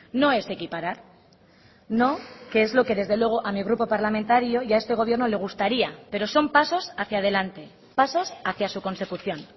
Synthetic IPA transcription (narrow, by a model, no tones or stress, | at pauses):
no̞e̞se̞kipaɾaɾ | no̞ke̞ezlo̞ke̞ðe̞zðe̞lwe̞ɣ̞o̞ʔamiɣɾupo̞paɾlamẽnt̪aɾjo̞jae̞st̪e̞ɣ̞o̞β̞je̞ɾno̞le̞ɣ̞ust̪aɾiape̞ɾo̞so̞mpaso̞saθjaðe̞lant̪e̞ | paso̞saθjasuko̞nse̞kuθjo̞n